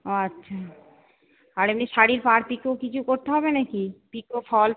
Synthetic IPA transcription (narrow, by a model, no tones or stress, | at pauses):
oatːʃʰa | aɾemniʃaɽiɾpaɾpikokit͡ɕʰukoɾt̪eɦɔbenakipikofʰɔl